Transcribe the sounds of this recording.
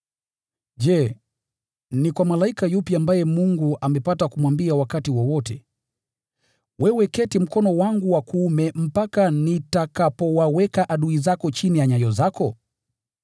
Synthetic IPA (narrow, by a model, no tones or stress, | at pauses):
d͡ʒɛ | nikwamalaikajupiambajɛmuŋɡuʔamɛpatakumwambiawakatiwɔwɔtɛ | wʔɛwɛkɛtim̩kɔnɔwaŋɡuwakuumɛm̩pakanitakapɔwawɛkaʔaɗuizakɔt͡ʃinijaɲajɔzakɔ